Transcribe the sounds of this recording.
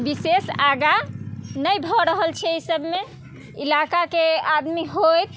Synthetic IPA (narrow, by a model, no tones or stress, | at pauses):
bisesaɡanəjbʱɔɾəɦəlt͡ʃʰɛsəbme | ilakakead̪miɦojt̪